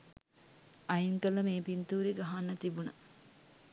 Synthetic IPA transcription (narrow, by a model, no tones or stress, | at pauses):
ɐjiŋkələmeːpint̪uːɾeɡɐɦanːət̪ibunɐ̰